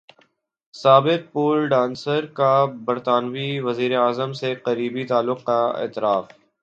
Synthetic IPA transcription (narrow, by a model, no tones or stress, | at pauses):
saːbɪq̚puːlɖãːnsəɾkabɐɾt̪aːnʋiʋɐziːɾeaːzəmseqəɾiːbit̪aːlːʊqkaɪ̰ːt̪ɪɾaːf